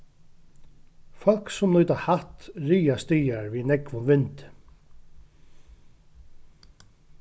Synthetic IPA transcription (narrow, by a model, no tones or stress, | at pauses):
fɔlksʊmnɔːt̪ahaht̪ɾiːast̪iːjaɹvinɛkvʊmvɪnt̪ɪ̥